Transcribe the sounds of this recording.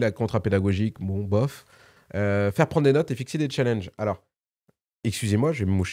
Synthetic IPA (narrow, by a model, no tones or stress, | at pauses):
lakɔ̃t̪χaped̪aɡɔʒikbɔ̃bɔf | øfɛʁpχɑ̃d̪d̪enɔt̪efiksed̪et͡ʃalɛ̃nʒalɔʁ | ɛkskʲyzemwaʒəvɛməmuʃ